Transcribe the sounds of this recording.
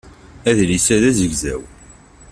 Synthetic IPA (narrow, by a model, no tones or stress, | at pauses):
æðlisæðæzəʝzæ̰w